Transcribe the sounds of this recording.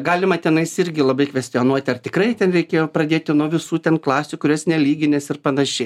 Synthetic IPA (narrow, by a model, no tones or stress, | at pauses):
ɡɑːlʲɪmɐt̪ʲɛnɐɪsɪɾʲɡʲɪlˠɐbɐɪkʋʲɛsʲt̪ʲɪonuɔt̪ʲɪɐrt̪ʲɪkrɐɪt̪ʲɛnɾʲɛɪkʲeːjoːpɾɐd̪ʲeːt̪ʲɪnuɔʋʲɪsuːt̪ʲɛnklˠɑːsʲukʊɾʲosnʲɛlʲiːɡʲɪnʲesɪrpɐnɐʃʲɛɪ